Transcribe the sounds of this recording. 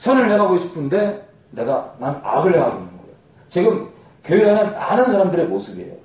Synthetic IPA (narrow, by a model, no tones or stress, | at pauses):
sʰʌnɯɭheɦaɡoɕʰi̥pʰɯnde̞ | ne̞ɡanana̰ɡɯɭheɦaɡoinɯnɡʌejo | t͡ɕiɡɯm | kjʌanɯnmanɯnsʰaɾamdɯɾemosʰɯbiḛjo̰